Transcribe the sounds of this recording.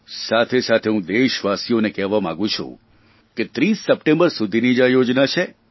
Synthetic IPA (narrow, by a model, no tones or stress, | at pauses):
sat̪ʰesat̪ʰeɦũd̪eʃʋasijonekɛʋamã̰ɡũt͡ʃʰṵ̃ | ket̪ɾisːəpʈẽmbəɾsud̪ʱinid͡ʒajod͡ʒnat͡ʃʰe